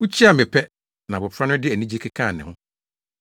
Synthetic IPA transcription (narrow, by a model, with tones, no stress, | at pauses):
ʊ˦t͡ɕʰi˦a˨mɪ̃˨pʰɛ˦ | nã˨bʊ˨pʰɾa˦nʊ̃˦dɪ˦æ˨nĩ˦d͡ʑi˦kʰɛ˦kʰã˦˨nɪ̰̃˨hʊ̃˦